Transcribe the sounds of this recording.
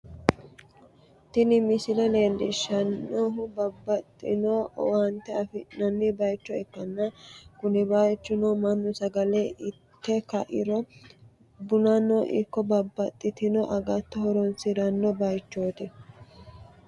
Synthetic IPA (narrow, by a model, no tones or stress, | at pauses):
t̪ɪnɪmɪsɪlɐleːld̪ɪʃɐnːoɦʊbɐbːɐt̪ʼːɪnowɐnt̪ːɛɐfɪnɐnːɪbɐjt͡ʃːɔɛkːɐnːɐkʊnɪbɐjt͡ʃːʊnomɐnːʊsɐɡɐlɛʔɪ | t̪ːɛkɐʔɪ̰ɾɔ | bʊnɐnːɔʔɪkːɔbɐbːɐt̪ʼːɪt̪ɪnɔʔɐɡɐt̪ːɔhɔɾɔnsɪɾɐnːɔbɐjt͡ʃːoːt̪ɪ